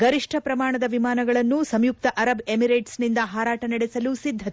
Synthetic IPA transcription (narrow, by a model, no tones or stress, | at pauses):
ɡɐɾiʂʈʰɐpɾɐmaːɳɐd̪ɐʋimaːnɐɡɐɭɐnːusɐmjuk̚t̪ɐʔɐɾɐbemiɾeːʈsnind̪ɐɦaːɾaːʈɐnɐɽesɐlusid̪ʱːɐt̪e